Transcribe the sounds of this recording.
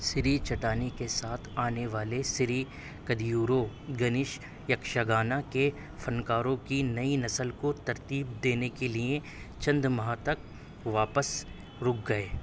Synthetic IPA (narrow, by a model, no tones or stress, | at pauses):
sɪɾit͡ʃɐʈaːnikesaːt̪ʰaːneʋaːlesɪɾi | kɐd̪juːɾoɡɐnɪʃ | jɐkʃaɡaːnake | fɐnkaːɾõkinɐinɐsəlkot̪ɐɾt̪iːb̚d̪eːnekelie | t͡ʃɐ̃nd̪mɐɦãt̪ɐk̚ | ʋaːpəs | ɾʊk̚ɡɐeː